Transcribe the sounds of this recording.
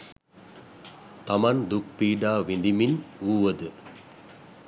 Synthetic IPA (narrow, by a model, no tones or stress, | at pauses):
t̪ɐmɐnd̪uk̚piːɖaːʋind̪iminuːʋɐd̪ɨ